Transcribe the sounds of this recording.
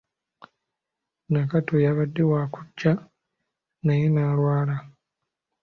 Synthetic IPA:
nakatojaβadːewaːkuɟːa | najenaːlwaːla

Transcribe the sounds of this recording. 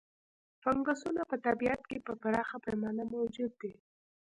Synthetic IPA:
paŋɡasunapət̪abiat̪kepəpaɾɑxapamɑnamawd͡ʒud̪̚ːe

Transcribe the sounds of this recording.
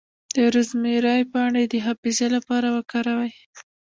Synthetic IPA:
d̪̥əɾʊzmeɾɑjpəaɳed̪əɦafizelapɑɾawəkɑɾawaj

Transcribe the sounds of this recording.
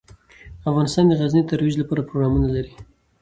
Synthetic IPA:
afɣɑnɪst̪ɑnd̪əɣaznit̪aɾwid͡ʒlapɑɾapɾoɡɾɑmunalaɾi

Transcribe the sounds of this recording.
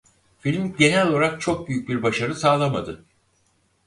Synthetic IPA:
filʲmɟe̞nɛlʲooɾak̚t͡ʃʰok̚byjyc̚biɾbaʃaɾɯsaːlˠamad̪ɯ

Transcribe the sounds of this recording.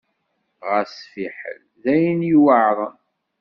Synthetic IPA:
ʁəsfiħə̰l | ðæjniwəʕðˤən

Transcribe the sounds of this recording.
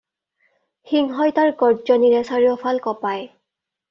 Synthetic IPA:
xiŋɦɔjtaɹɡɔɹd͡ʒɔniɹɛsaɹiɔpʰalkɔpaj

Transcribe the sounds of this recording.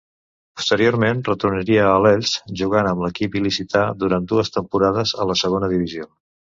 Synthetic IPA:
pu̥st̪əɾijoɾmenrət̪uɾnəɾiəːlɛʎsʒuɣ̞anəmləkipilisit̪aðuɾand̪uəst̪əmpuɾaðəzələsəɣonəðiβizio

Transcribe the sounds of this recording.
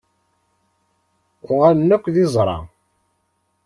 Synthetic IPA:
ʊʁæɾnːækʷːðizˤɾˤɑ̰

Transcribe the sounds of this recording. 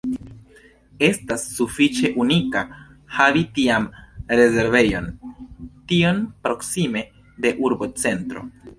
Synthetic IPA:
e̞stasːufit͡ʃe̞ʔunika | havitiamɾe̞ze̞ɾve̞jo̞n | tio̞npɾo̞ksime̞ | de̞ʔuɾbo̞t͡se̞ntɾo̞̰

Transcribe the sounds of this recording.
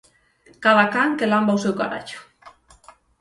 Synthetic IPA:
kaðakaŋkelambawsewkaɾa̰t͡ʃu̥

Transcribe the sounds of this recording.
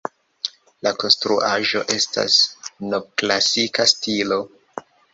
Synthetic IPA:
lako̞nstɾuʔaʒo̞ʔe̞sta̰snob̚klasikastilo̞

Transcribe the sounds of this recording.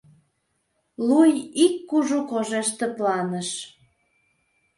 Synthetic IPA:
lujikːuʒukoʒeʃt̪ĕplɑnəʃ

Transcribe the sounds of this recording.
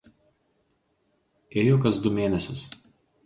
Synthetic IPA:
eːjokɐsd̪ʊmʲeːnʲɛsʲʊs

